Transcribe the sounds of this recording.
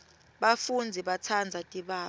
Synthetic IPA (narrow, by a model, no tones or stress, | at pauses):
ɓafund͡zʱiɓat͡sʰand͡zʱatʼiɓaː